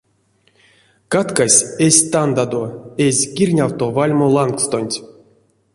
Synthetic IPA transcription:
kat̪kasʲesʲt̪and̪ad̪oezʲkʲirʲnʲawt̪ovalʲmolˠaŋkst̪onʲtʲ

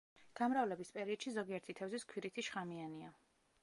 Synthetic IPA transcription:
ɡ̥amɾavlɛbispʼɛɾiɔd̪ʃizɔɡiɛɾt̪ʰit̪ʰɛvziskʰwiɾit̪ʰiʃχamiania

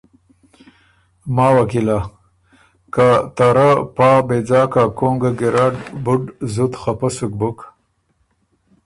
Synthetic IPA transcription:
maːwakila | kat̪aɾapɑːbed͡zaːkakoŋɡaɡɪɾaɖbuɖzut̪χapəsuk̚buk

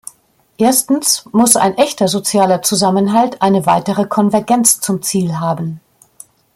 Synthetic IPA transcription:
ʔeːɐstn̩smʊsʔa̰ɪnʔɛçtɐzot͡sjaːlɐt͡suzamənɦaltʔaɪnəvaɪtəʁəkʰɔnvɛɐɡɛnt͡st͡sʊmt͡siːlɦaːbn̩

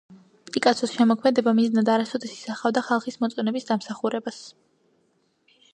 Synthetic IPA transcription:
pʼikʼat̪sʰɔsʃɛmɔkʰmɛd̪ɛbamiznad̪aɾasɔd̪ɛsi̥saχavd̪aχalˠχismɔt̪sʼɔnɛbisd̪amsaχuɾɛbas

